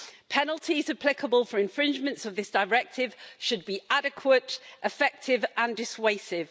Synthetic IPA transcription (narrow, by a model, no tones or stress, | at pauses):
pʰɛnəlˠtʰizəpʰl̥ɪkʰəbəlˠfəɹɪ̃ɱfɹɪ̃nd͡ʒmə̃ntsəvðɪsd̥əɹɛk̚tʰɪv̥ʃəd̚biʔadɪkʰwətʔɪfɛk̚tʰɪvə̃ndɪsweɪsɪv̥